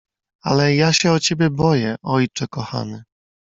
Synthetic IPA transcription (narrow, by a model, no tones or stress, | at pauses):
a̰lɛjaɕɛɔt͡ɕɛbʲɛbɔjɛʔɔjt͡ʂɛkɔxa̰mɘ